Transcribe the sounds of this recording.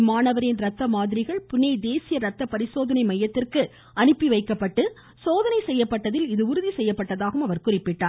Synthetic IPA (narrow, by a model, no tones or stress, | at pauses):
maːnɐʋɐɾɪnɾɐt̪ːɐmaːðɪɾɪɣɐɭpʊnːɐɪd̪eːsɪjɐɾɐt̪ːɐpɐɾɪsoːðɐnɐɪmɐjːɐt̪ːɪrkɯ | ɐnɯpːiʋɐɪkːɐpːɐʈːɯ | soːðɐnɐɪsɛjːɐpːɐʈːɐðɪlɪðɯʊɾʊðisɛjːɐpːɐʈːɐðaːɣɯmɐʋɐɾkʊrɪpːɪʈːaːɾ